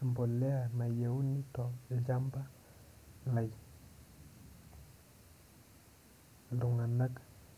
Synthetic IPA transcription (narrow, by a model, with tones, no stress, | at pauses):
mbo˨lɛ˦a˨na˨je˨u˦ni˦tɔ˨d͡ʒa˦mba˦ | na˨j | lu˨ŋa˨na˦k